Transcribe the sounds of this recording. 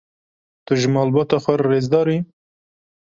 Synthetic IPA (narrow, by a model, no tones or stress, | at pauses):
t̪ʊʒmɑːlbɑːt̪ɑːxɛrːeːzd̪ɑːɾiː